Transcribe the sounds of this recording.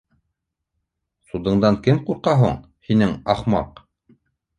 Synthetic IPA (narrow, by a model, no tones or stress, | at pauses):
sud̪ɤ̆ɴd̪ɑŋkɘmquɾqɑɦuɴ | hinɘŋɑχmɑ̰q